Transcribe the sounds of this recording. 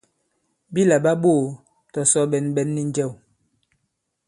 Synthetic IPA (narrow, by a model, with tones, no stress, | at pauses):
bi˦la˨ɓa˦ɓoː˦˨ | tɔ˨sɔ˦ɓɛ˨˦nɓɛ˦nːi˦n˦d͡ʒɛ˦˨w